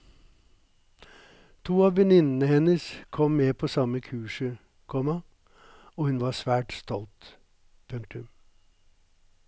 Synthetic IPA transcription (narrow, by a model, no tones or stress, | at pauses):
t̪ʰuːɑːʋʋɛnɪnn̩əhɛnəskʰɔmmeːpʰoːsɑməkʰʉːʂə | kʰɔmɑ | oːhʉnʋɑːsʋæːʈst̪ɔlt̪ | pʰʉŋk̚t̪ʉm